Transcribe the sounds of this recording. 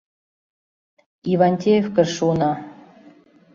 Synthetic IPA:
ivɑnʲt̪ʲejefkɘ̆ʃunɑ

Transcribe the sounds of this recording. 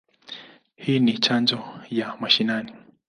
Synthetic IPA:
hiːnit͡ʃand͡ʒɔjamaʃinani

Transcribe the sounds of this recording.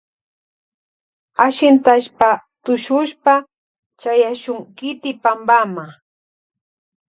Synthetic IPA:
aʃɪnt̪aʃpat̪ʊʃʊʃpa | t͡ʃajaʃʊŋkɪt̪ɪpambama

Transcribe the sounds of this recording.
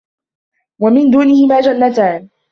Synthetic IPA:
wamɪnd̪uːnɪhɪmaːd͡ʒanːat̪aːn

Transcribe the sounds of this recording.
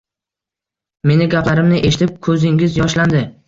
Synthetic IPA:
me̞nɪɡʲaplaɾɪmnɪʔe̞ʃɪt̪ʰɪp̚kʰɵzɪŋɡʲɪzjɒʃland̪ɪ

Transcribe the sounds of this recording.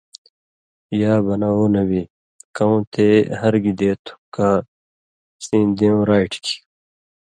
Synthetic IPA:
jaːbɐnaoːnɐbi | kɐũːt̪ʰeːɦɐɾɡid̪eːt̪ʰu̥kaː | sĩːd̪eũɾaːiʈki̥

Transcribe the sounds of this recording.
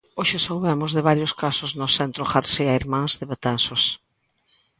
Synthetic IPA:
oʃɪsawβemʊzðɪβaɾjoskasʊznʊsɛnt̪ɾʊxaɾseaiɾmãŋzðɪβet̪ansos

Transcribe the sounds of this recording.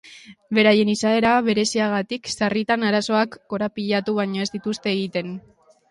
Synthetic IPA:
be̞ɾaje̞nisae̞ɾaβe̞ɾe̞siaɣat̪iksarit̪anaɾaso̞akːo̞ɾapiʎat̪uβ̞aɲo̞e̞zd̪it̪ust̪e̞ːɣit̪e̞n

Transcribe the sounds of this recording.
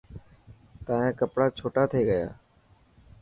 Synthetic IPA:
t̪ãːɦẽːkəpɽaːt͡ʃʰoːʈaːt̪ʰeːɡəja̰ː

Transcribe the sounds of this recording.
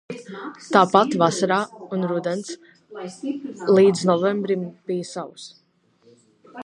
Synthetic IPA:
t̪aːpat̪vasaɾaːunɾud̪ɛns | lˠiːd̪znɔvɛmbɾimb̥ijəsaws

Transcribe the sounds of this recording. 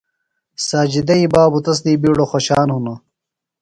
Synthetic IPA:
saːd͡ʑid̪ɐibaːbut̪ɐs̬d̪iːbiːɽoxoɕaːnhunɐ

